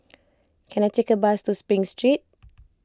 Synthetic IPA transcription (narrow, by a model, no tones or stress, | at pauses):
kʰɛ̃najtekəbastuspɹĩŋstɹit̚